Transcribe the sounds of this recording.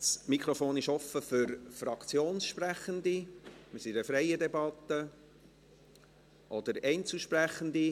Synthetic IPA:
smikʰɾɔfoːnɪʃɔfəfʏɾfɾɑkt͡sjoːnsʃpræχənd̪imɪsiɾəfɾɛɪəd̪ɛbɑt̪ːə | ʔɔd̪əɾɛɪnt͡suʃpɾæχənd̪i

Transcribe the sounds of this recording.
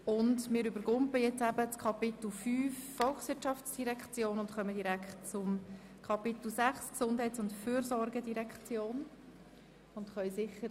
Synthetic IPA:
ʊndmɪːɾʏbəɾɡʊmpəjɛt͡sæbət͡skʰɑpɪt̪l̩fyːfːɔlˠxsʋɪtʃɑft͡sd̥iɾɛkχt͡sjoːnʊntχœmədiɾækχtt͡sʊm | kʰɑpɪt̪l̩sæχsksʊnd̥hɛɪt͡sʊntfyːɾzɔɾɡədiɾɛkχt͡sjoːn | ʊntχœʏɥsɪχːə

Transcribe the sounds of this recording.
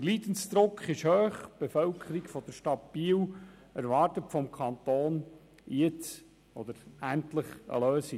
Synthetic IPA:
əɾliːd̪ənsd̪̥ɾʊkχɪʃhøːχb̥ɛfœlkʰəɾikfɔd̥̪əɾʃtɑtb̥iːw | æɾʋɑɾtətfɔmkʰχɑnt̪oːn | jɪt͡s | ʔɔd̪əɾæntləχə̰løːsi

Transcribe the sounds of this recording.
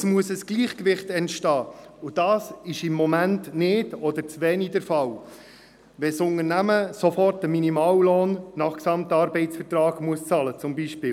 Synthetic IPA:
smuəsəsɡ̥liːχkʋɪχtɛntʃtɑːʊd̥ɑːsɪʃɪmːɔmæntnɪdɔd̪əɾt͡sʋɛːnidɛɾfɑw | ʋɛsʊŋənæməsofɔrtəminimɑːwloːnnɑχksɑmtɑːɾbɛɪtt͡ssfəɾtɾɑːɡ̥muəst͡sɑlət͡sʊmbiːʃpɪːl

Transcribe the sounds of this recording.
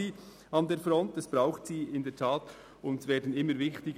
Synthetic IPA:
iː | ɑndeːɾfɾɔntɛsb̥ɾaʊxtsiːɪndeɛːtʰaːt | ʊntsveːdən̩ɪmːəɾvɪxtɪɡ

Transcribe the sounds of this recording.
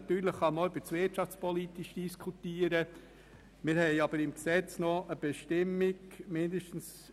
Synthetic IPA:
t̪yːɾləχːɑmoʏb̥ət͡svɪtʃɑft͡spɔlit̪iʃd̥iskʰut̪iːəɾə | mɪɾhɛɪɑbəɾɪmksɛt͡snɔʔəb̥ɛʃtɪmːɪɡmɪndəʃtən̩s

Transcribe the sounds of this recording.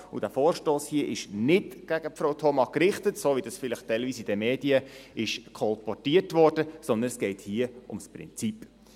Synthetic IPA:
ṵd̥æfoːɾʃtoːshiəʔɪʃnɪdɡ̥æɡəpfɾoʊtʰɔmɑkɾɪχtətsoːʋidɑsfɪləχtɛɪlviːsid̥ɛmeːdiəɪʃkʰɔlpɔtiətʋɔːɾd̥əsɔnd̪ənsɡ̥ɛɪthiəʔʊmspɾɪ̰nt͡sipː

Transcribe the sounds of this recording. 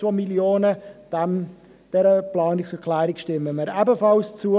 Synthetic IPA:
omiljoːnəd̥ɛm | d̥ɛɾəplɑːnɪksəkʰlæːɾɪkʃtɪmːəməɾɛbəfɑlst͡su

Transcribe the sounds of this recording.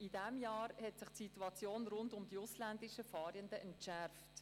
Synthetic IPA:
idɛmjɑːɾhɛtsɪχtsituɑt͡sjoːnɾʊndʊmd̥iʊslændiʃəfɑːɾjəndəʔɛntʃɛɾft

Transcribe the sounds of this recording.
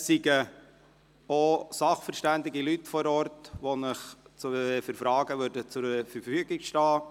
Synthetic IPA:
siɡə | osɑχfəɾʃtænd̪ɪɡilytfɔɾɔɾtʋonəχt͡sfəɾfɾɑːɡ̥əʋøɾdət͡sʊɾfəɾfyːɡikʃtɑː

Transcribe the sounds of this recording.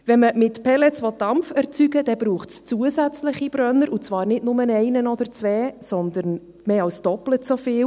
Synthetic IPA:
vɛnməmɪtpʰɛlɛt͡sʋɔt̚d̥ɑmfɛɾt͡syɡəd̥ɛbɾuːχtst͡suəzæt͡slɪχib̥ɾœnːəɾʔut͡svɑːɾnɪdnʊmənɛɪnənɔd̥̪əɾt͡sʋɛːsɔnd̪əɾn | meːɑlsd̥ɔplətsofɪːw

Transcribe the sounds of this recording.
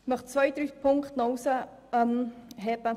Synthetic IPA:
mœχt͡svœjd̪ɾyːpʰʊŋkχtnɔwsə | mɦɛbə

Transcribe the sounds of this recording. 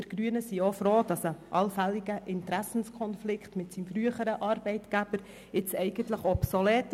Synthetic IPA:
dəɾɡ̥ɾyənəsiofɾoːd̥ɑsəʔɑlfæliɡəʔɪntɾæsn̩skʰɔnflɪkχtmɪtsimfɾyəχəɾəʔɑɾbɛɪtɡ̥æb̥əɾ | ɪt͡sɛɪɡ̥əntləχɔpsolɛːt

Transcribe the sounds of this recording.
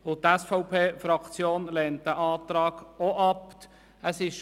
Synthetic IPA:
ʊtɛsfɔʊpʰeːfɾɑkt͡sjoːnlɛːntəʔɑːt̪ɾɑːɡ̥oʔɑp | əsɪʃ

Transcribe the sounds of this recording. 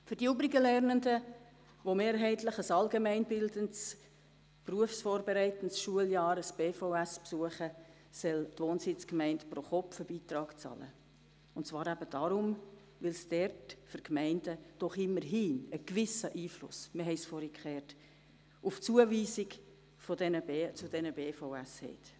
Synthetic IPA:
fʏɾdiybɾɪɡəlɛɾnəndə | ʋomeːɾɦɛɪtləχəsɑlɡemɛɪnbɪldənts | pruəfsfoːɾbɛɾɛɪtən̩tsʃuəljɑːɾəsb̥eːfoæspsuəχə | sɛltʋoːnsɪt͡skmɛɪntpɾoχɔpfəbiːtɾɑːkt͡sɑ̰lə̰ | ʊntt͡svɑːɾæbəd̥ɑɾʊm | ʋɪlsd̥ɛrtfʏɾkmɛɪndəd̥ɔχɪmːəɾɦiːnəkʋɪsəʔiːflʊ̰sməɦɛɪsfɔɾikχɛːrt | ʊft͡suəviːzɪk | fɔdɛnət͡sʊdɛnəbeːfɔʊæshɛ̰t

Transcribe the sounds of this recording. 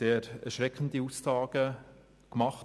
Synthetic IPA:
eːɾɛɾʃɾɛkχəndiussɑːɡ̥ə | kmɑχt

